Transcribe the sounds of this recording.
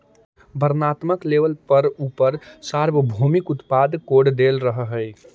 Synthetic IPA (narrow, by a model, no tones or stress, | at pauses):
bʱəɾnat̪məkleʋəlpəɾupəɾsaɾbəbʱumikut̪pad̪koɽd̪elɾəɦəɦəj